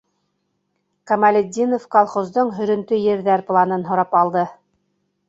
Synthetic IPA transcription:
kɑmælʲɘd̪ʲːinofkɑlˠχozd̪oɴɦɵ̆ɾɵ̆nt̪ɵjɘ̆ɾðæɾplˠɑnɤnɦŏɾɑpɑlˠd̪ɤ

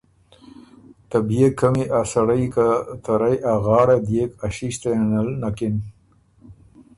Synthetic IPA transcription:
t̪abjekʰːamiʔasaɽajkat̪aɾajaɣɑːɽad̪jekaʃiʃt̪analnakɪn

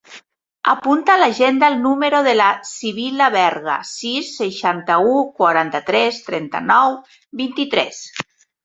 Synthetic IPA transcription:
apunt̪alaʒend̪alnumeɾoðelasiβ̞ilaβɛɾɣa̰sisːeʃant̪aukwaɾant̪at̪ɾɛst̪ɾɛnt̪a̰nɔw | bint̪it̪ɾɛs

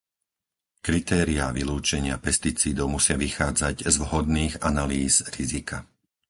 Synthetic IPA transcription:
kɾit̪ɛːɾiaʋiluːt͡ʃɛɲɪapɛst̪it͡siːd̪ɔʊmusɪaʋixaːd͡zaɟzʋɦɔd̪niːɣanaliːz̥ɾizikʰa

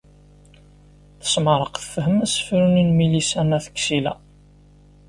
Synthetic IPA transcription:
θə̥sməɾˤəqθə̥fəɦəmæsə̥fɾuninmilisænæθə̥kːsilæ̰

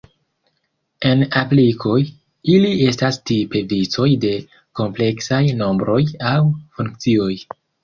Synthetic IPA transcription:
e̞naplikʰo̞j | ilie̞stastipe̞vit͡so̞jde̞ | ko̞mple̞ksajno̞mbɾo̞jawfuŋkt͡sio̞j

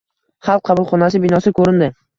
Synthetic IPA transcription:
χɑlˠq̚ʰːɑbʊlˠχɒnas̬ɪbɪnɒsɪkʰɵɾɪnd̪ɪ

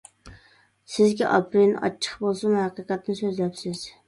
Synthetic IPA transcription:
sɪzɡʲɛ̰ʔɑpɾinɑ̰t͡ʃʰːə̥χbolˠsumhæqəqɛt̪ːnsøzlɛpsɪz̥

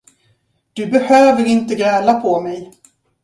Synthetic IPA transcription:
d̪̥ɵbɛhøːvəɾɪnt̪əɡɛːlapʰɔmɛj

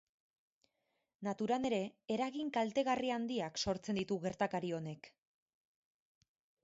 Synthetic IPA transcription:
nat̪uɾane̞ɾe̞eɾaɣiŋkalt̪e̞ɣ̞ariand̪iakso̞ɾt͡se̞nd̪it̪uɣe̞ɾt̪akaɾio̞ne̞k

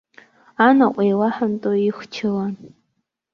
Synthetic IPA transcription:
anaʔʷʼejwaħantʼojɪxʷt͡ʃʰɨlan

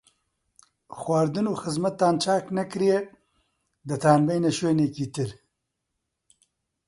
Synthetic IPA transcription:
xwaɾd̪ɨnuːxɨzmɐt̪ːaːnt͡ʃaːknɐkɾije | d̪ɨt̪ʰaːnbɐjneʃweːnekiːt̪ɨl

